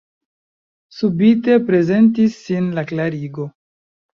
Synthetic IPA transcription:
subite̞pɾe̞ze̞ntisːinlaklaɾiɡo̞

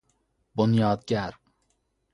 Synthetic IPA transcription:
bonjɑːd̪ɡʲæɾ

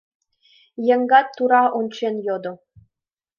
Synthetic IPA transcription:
jɘ̆ŋɡɑt̪ːuɾɑʔont͡ɕenjod̪ŏ

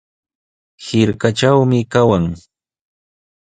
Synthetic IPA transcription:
hɪɾkaʈ͡ʂawmɪkawaŋ

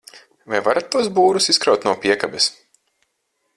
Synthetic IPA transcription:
vajvaɾat̪ːuɔsbuːɾusiskɾawt̪nuɔpiɛkabɛs

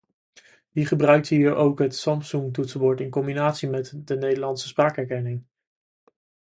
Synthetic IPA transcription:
ʋiχəbrœɥk̚tɦiːɹowkɦətsɑmpsuŋtutsboːɹtɪnkɔmbinaːtsimɛtdənejdəlɑntsəspraːkɛɹkɛnɪŋ

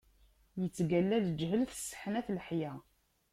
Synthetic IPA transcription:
jət͡sːɡælːæld͡ʒɦəlθə̥sːə̥ħnæθləħjæ

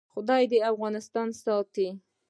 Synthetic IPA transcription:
xʊd̪ɑjd̪əafɣɑnɪst̪ɑnsɑt̪i

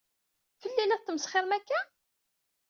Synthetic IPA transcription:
fəlːilæt̪ːəmsχɪɾmækːæ

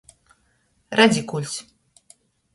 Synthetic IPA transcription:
ɾad͡zʲikulʲt͡sʲ

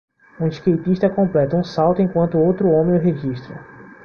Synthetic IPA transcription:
ũiskejt̪iʃt̪ɐkõmplɛt̪ʊũsawt̪ʊẽŋkwɐ̃nt̪ʊowt̪ɾʊõmẽʊɦeʒiʃt̪ɾɐ̰

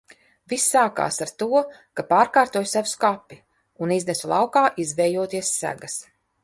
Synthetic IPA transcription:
visːaːka̰ːsaɾt̪uɔkapaːɾkaːɾt̪uɔjsavuskapːi | uniznɛsulˠɑwkaːʔizvɛjuɔːt̪iɛsːæ̰ɡas

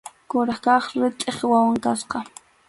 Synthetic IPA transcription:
kʊɾɑχkɑχɾɪt̪ʼeχwawaŋkasqɑ

